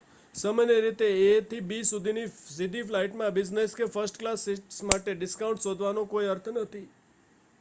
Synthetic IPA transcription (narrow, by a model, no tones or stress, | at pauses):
səməneɾit̪eet̪ʰibisud̪ʱinisid̪ʱiflaiʈmãbid͡ʒneskefəɾsʈklassmaʈeɖɪskaũɳʈsod̪ʱʋanokoiəɾt̪ʰnət̪ʰi